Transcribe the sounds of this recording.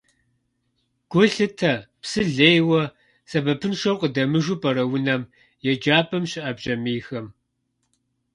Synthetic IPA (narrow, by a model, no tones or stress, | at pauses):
ɡ̥ʷʊɬɨtʰɐpsɨɮeːjwɐ | sɐbɐpʰɨnʂɐrqʷʼədɐmɨʒupʰʼɐɾɐwʊnɐm | jɛd͡ʒaːpʰʼɐmɕɪʔɐbʑɐmiːxɐm